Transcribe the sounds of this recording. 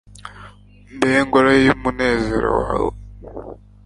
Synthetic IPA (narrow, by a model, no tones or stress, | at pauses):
mbeŋɡoɾajimune̞ːzeɾo̰waːwe